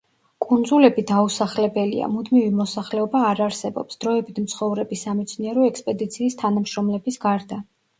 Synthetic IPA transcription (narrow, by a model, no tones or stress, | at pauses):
kʼund̪zulɛbid̪ausaχlɛbɛlḭa̰mud̪mivimɔsaχlɛɔbaːɾaɾsɛbɔ̰psd̪̥ɾɔɛbit̪ʰm̩t̪sʰχɔvɾɛbisamɛt̪sʰniɛɾɔɛkspʼɛd̪it̪sʰiːst̪ʰanamʃɾɔmlɛbisɡaɾd̪a